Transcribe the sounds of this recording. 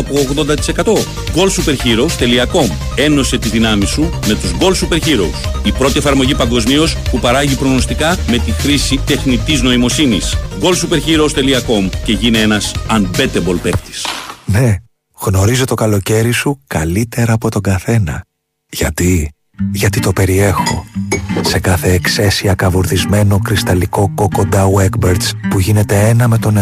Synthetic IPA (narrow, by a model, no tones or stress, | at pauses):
ɐpoːɣðo̞nd̪ɐt̪i̥se̞kɐt̪o̞ | ɡo̞lsupe̞ɾçiɾo̞ust̪e̞liɐko̞m | e̞no̞se̞t̪izðinɐmisume̞t̪uzɡo̞lsupeɾçiɾo̞̰usipɾo̞t̪ie̞fɐɾmo̞ʝipɐŋɡo̞zmio̞spupɐɾɐʝipɾoɣnost̪ikɐme̞t̪ixɾisit̪e̞xnit̪izno̞imo̞sinisɡo̞lsupe̞ɾçiɾoust̪e̞liɐko̞mce̞ʝinie̞nɐsɐnbe̞t̪ebo̞lpekt̪i̥sne̞ | ɣno̞ɾizo̞t̪o̞kɐlo̞ce̞ɾisukɐlit̪e̞ɾɐːpo̞t̪o̞ɡɐθe̞nɐ | ʝ̥ɐt̪i | ʝɐt̪it̪o̞pe̞ɾie̞xo̞̰se̞kɐθe̞ːkse̞siɐkɐvuɾθizme̞no̞kɾist̪ɐliko̞ko̞kond̪ɐueɡbeɾt̪spuʝine̞t̪e̞enɐme̞t̪o̞n